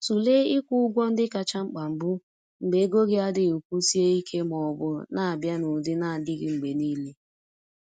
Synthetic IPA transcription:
tu˨le˦ɪ˦kʷu˦ʊ˦ɡʷɔ˦n̩˦dɪ˦ka˨t͡ʃa˦ŋ͡m̩˦k͡pa˨m̩˨bu˦ | ŋ͡m̩˨ɡ͡be˨˦ɡo˦ɣɪ˦a˦dɪ˨u˨kʷu˦si˦e˦i˦kʰe˦mɔ˨bʊ˦na˨a˨bja˦nʊ˨dɪ˦na˨dɪ˦ɡɪ˦ŋ͡m̩˨ɡ͡be˨ni˦le˦

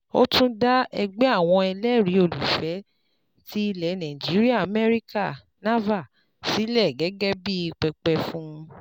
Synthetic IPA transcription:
o˦tũ˦da˦ɛ˧ɡ͡bɛ˦a˦˨w̃ɔ̃˧ɛ˧lɛ˦˨ɾi˨˦o˨lu˨fɛ˨˦ | ti˦i˧lɛ˨˦nã˨d͡ʒi˨˦ɾi˦a˦˨a˨mɛ˦ɾi˦ka˦˨ | na˦va˦˨ | si˨˦lɛ˦˨ɡɛ˨˦ɡɛ˦bi˦i˧k͡pɛ˧k͡pɛ˧fũ˦˧

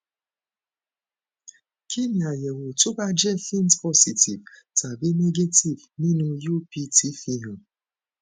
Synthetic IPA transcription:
kʰi˦mi˨a˨je˨ŋo˨tʊ˦ba˦d͡ʒe˦fi˦n˦˨tpɔ˦si˨ti˨vta˨be˦ne˦ɡe˦ti˨vni˦nu˨jo˦pi˦ti˦fi˦ɦɔ˨

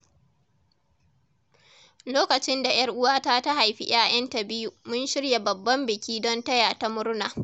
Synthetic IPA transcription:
loː˦kɐ˨t͡ʃɪ˦nda˨j̰ɐ˦rʔʊ˦waː˦taː˦ta˦ɦa˨jɸḭ˦j̰aː˦j̰ɐ˦nta˨bɪ˦ju˦mʊ˦nʃɪ˦ɽja˨bɐ˨bːɐ˦mbɪ˨kʲʰiː˦dɔ˦ntɐ˦jaː˨ta˦mʊ˦ɾnaː˨

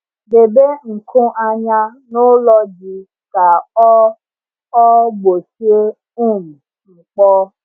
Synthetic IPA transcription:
be˨be˦ŋ̩˨kʰũ˦ʔa˧ɲã˧no˦lɔ˧d͡ʒi˧ | ka˨ɔ˦ | ɔ˦ɡ͡bo˨si˦e˦ | ũ˦˨mũ˨ | ŋ͡m̩˨k͡pɔ˦

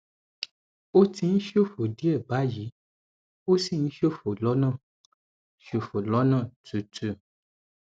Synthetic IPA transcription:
o˦ti˧ñ̩˦ʃo˦˨fo˨di˦ɛ˦˨ba˨˦ji˨˦ | o˦si˦˨ñ̩˦ʃo˦˨fo˨lɔ˨˦nã˦˨ | ʃo˨fo˨lɔ˨˦nã˦˨tu˨tu˨

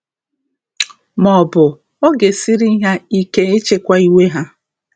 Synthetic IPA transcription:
mɔ˨bʊ˨ | o˦ɡe˨si˦ɾi˦i˦ɦa˦i˦ke˦e˦t͡ʃe˦kʷa˦i˦we˦ɦa˦

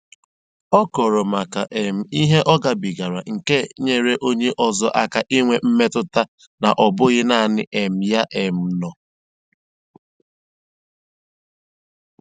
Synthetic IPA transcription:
ɔ˦kɔ˨ɾɔ˨ma˨ka˨ʔe˨m̩˨i˦ɦe˦ʔɔ˦ɡa˨bi˨ɡa˨ɾa̰˨ŋ̩˨ke˦ɲe˨ɾe˦ʔo˦ɲe˦ʔɔ˨zɔ˦ʔa˦ka˨ʔi˦ŋʷe˦m̩˦me˦tʊ˦ta˦ | na˨ʔɔ˨bʊ˦ɣɪ˦na˦˨nɪ˦ʔe˨m̩˨ja˦ʔe˨m̩˨nɔ˨

